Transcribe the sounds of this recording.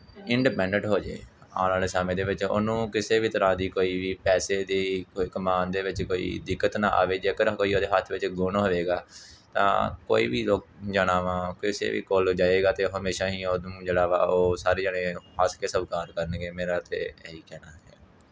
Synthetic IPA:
ɪɳɖiːpɛ̃ːɳɖə̃ɳʈɦoːd͡ʒḛːa̰ːlãːleːsaːmẽːd̪eːʋɪt͡ʃo̰ːnũːkɪseːʋiːt̪əɾãːd̪iːkoːiːʋiːpɛːseːd̪iːkəmaːnd̪eːʋɪt͡ʃkoːḭːd̪ɪkːət̪nã̰ːʔa̰ːʋeːd͡ʒeːkəɾkoːiːoːd̪eːɦaːt̪ʰːʋɪt͡ʃɡʊnːɦəʋeːɡaːt̪ã̰ːko̰ːḭːʋiːloːk̚d͡ʒəɽaːʋãːkɪsḛːʋḭːkold͡ʒaːeːɡaːt̪eːɦəmeːʃaːɦiːoːũːd͡ʒeːɽaːʋa̰ːoːsaːɾeːd͡ʒaːɽeːhaːsʰkeːsəʋkaːɾkəɾnɡeːmeːɾaːt̪ḛːɦiːkɛːnaːɛ

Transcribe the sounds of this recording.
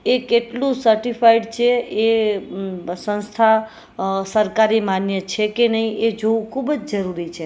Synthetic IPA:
ekeʈlusəɾʈipʰaiɖt͡ʃʰee | sə̃nst̪ʰa | səɾkaɾimanjət͡ʃʰekenəied͡ʒoukʰubəd͡ʒd͡ʒəɾuɾit͡ʃʰe

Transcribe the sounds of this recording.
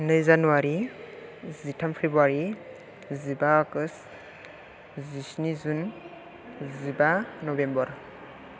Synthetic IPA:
nɯjzanuwaɾi | zitʰampʰebuaɾi | zibaːɡɯs | zisnizun | zibanɔbembɔɾ

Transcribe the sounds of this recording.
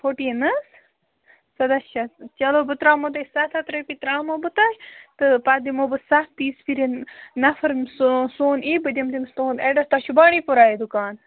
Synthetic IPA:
pʰoʈinɨs | sɐd̪ɐʃɐt͡ʃɐloːbɨt̪ɾaːmot̪̬ɐsɐt̪ʰɐt̪ɾɐpit̪ɾaːmobɨt̪aʃt̪ɨpaːd̪imoːbɨsɐtt̪iːspʰiɾʲennɐfɐɾmsosoːniːbɨd̪ʲɐmd̪imst̪oːneɖɐst̪aʃubaːɳiːpuɾaːjed̪ukaːn

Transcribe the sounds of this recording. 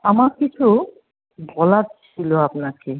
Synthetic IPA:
amaɾkit͡ɕʰu | bɔlatt͡ɕʰiloapnake

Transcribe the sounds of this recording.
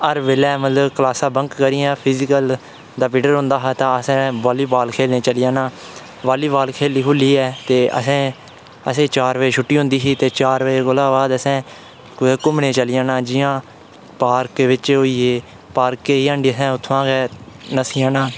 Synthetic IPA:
əɾʋeːlɛːmət̪ləbkəlaːsãːbəŋkːəɾiːãːpʰɪzɪkəl | d̪aːpɪɖəɾɦʊ̃ːnd̪aːɦaːt̪ãːəsɛ̃ːbaːliːbaːlkʰeːlnẽːt͡ʃəlɪjãːnãː | ʋaːliːbaːlkʰeːliːkʰʊlːiːɛːt̪eːʔə̰sɛ̃ː | ə̰sẽːt͡ʃaːɾʋeːʃʰʊʈːiːɦʊ̃nd̪iːɦiːt̪eːt͡ʃaːɾʋeekolãːʋaːd̪əsɛ̃ː | kːkʊmɳẽːt͡ʃəlɪjãːnãːd͡ʒɪjãː | paːɾkeʋɪt͡ʃoːiːeː | paːɾkːeːiːãːɳɖiːəsɛ̃ːʊt̪ʰːʋãːɡɛːnəsijãːnãː

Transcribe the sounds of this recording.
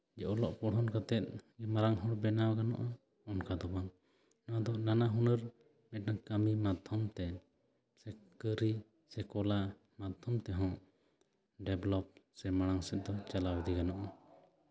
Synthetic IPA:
d͡ʒɛʔɔlɔʔpɔɽɦɔnkat̪ɛt̪̚ɡɛmaɾaŋɦɔ̃ɽbɛnawkanɔ̰ʔa | ɔnkad̪ɔbaŋ | naad̪ɔnanaɦunəɾ | mɛaŋkamimad̪ʱɔmt̪ɛ | sɛkəɾi | sɛkɔla | mad̪ʱɔmt̪ɛɦɔ̃ | ɖɛblɔp̚sɛmaɽ̃aŋsɛt̪̚d̪ɔt͡ʃalawd̪iɡanɔʔa

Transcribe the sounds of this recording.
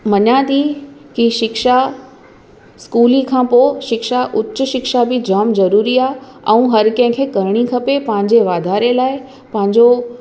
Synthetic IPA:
mɐɲat̪ikiʃɪkʃa | skuːlikʰãːpoːʃɪkʃaʔʊt͡ɕːʊʃɪkʃabɪd͡ʑaːmzɐɾuːɾiaːɛ̃ũɦɐɾkɐ̃ɦɪ̃kʰeːkɐɾɪɽ̃ikʰɐpepɐ̃ɦɪ̃ɲ̆d͡ʑeʋaːd̪ʱaːɾelaːɪ | pɐ̃ɦɪ̃ɲd͡ʑo

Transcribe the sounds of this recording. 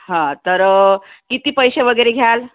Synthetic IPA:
ɦãt̪əɾkit̪iːpəjseʋəɡəjɾeɡʱjal

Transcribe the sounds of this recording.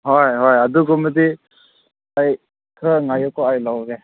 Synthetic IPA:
ɦojɦojaduɡɔmədi | aj | kʰɯŋajɔkʰɔajlawɡe

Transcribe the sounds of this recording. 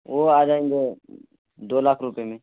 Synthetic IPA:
oaːd͡ʒaːẽŋɡe | d̪oːlaːkʰɾʊpemẽː

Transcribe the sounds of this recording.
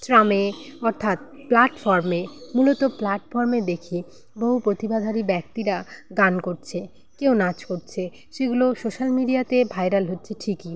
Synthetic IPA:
sɾameɔɾt̪ʰat̪̚ | plaʈfɔɾmemulot̪oplaʈfɔɾmed̪ekʰi | boɦupɾot̪ibad̪ʱaɾibɛkt̪iɾaɡankoɾt͡ɕʰe | kewnat͡ɕkoɾt͡ɕʰe | ʃeɡulosoʃalmiɖiat̪ebʱajɾalɦotːɕʰeʈʰiki

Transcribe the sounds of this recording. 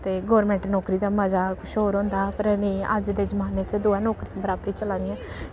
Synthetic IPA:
t̪eːɡɔːɾmɛ̃ːɳʈnɔːkɾiːd̪aːməzaːkʊʃoːɾõːnd̪aːpəɾnəːə̰d͡ʒd̪eːzəmaːneːt͡ʃd̪ʊɛːnɔːkɾibəɾaːbəɾiːt͡ʃəlãːd̪jɛ̃ː

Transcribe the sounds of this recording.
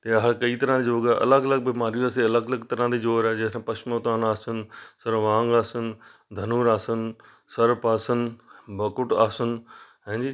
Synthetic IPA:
t̪eɐɦəɾkɐiːt̪ɐɾãd̪id͡ʒoːɡaʔɐ̰ləɡɐləɡ̚bɪmaːɾjuaːseɐləɡləɡt̪ɐɾãːd̪iːd͡ʒoːɾɛːd͡ʑeːɾãpɐʃmoːt̪aːnaːsənsɐɾʋãːŋɡaːsənd̪ʱɐnuːɾaːsən | sɐɾpaːsənbɐkʊʈaːsʊnɦɛ̃ːd͡ʑiː

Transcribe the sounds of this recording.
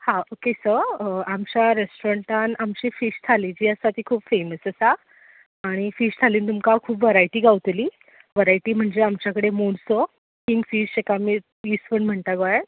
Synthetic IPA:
hãokesəamt͡ɕjaɾesʈoɾəɳʈãnamt͡ɕiːfiʂt̪ʰalid͡ʑiːəsat̪iːkʰuːpfeməsəsa | aɽ̃ifiːʂt̪ʰaliːnt̪umkakʰuːpʋəɾajʈiːɡaʋt̪liː | ʋəɾajʈiːm̤əɳd͡zeamt͡ɕjakəɽemoɽso | kiŋɡfiːʂekamiː | ispəɳm̤əɳt̪aɡoe

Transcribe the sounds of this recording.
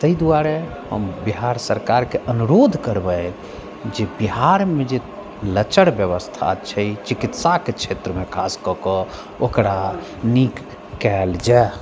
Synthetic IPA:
t̪əid̪uaɾɛ | ɦə̰mbiɦaɾsəɾkaɾkeʔənuɾod̪ʱkəɾbəj | d͡ʒebiɦaɾmed͡ʒe | lət͡ʃəɽbjəβəst̪ʰa̰t͡ʃʰəjt͡ʃikit̪saket͡ʃʰet̪ɾəmekʰaskɔkɔ | okɾa | nikː | ɛld͡ʒa

